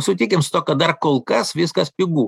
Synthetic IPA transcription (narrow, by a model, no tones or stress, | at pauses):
sʊt̪ʲiːkʲɪmsʊ̥t̪oːkɐt̪̚d̪ɐrkoːlˠkɐsʋʲɪskɐspʲɪɡuː